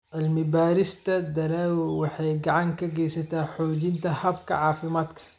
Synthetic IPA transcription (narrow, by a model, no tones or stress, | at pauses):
ʔalmibaːɾist̪ad̪aɾawwaħaɡaʕaŋkaɡesat̪aħoːd͡ʒint̪ahabka̰ʕaːfimat̪kḁ